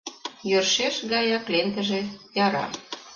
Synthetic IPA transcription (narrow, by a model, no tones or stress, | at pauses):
jørʃeʃɣɑjɑkleŋt̪ə̆ʒejɑɾɑ̰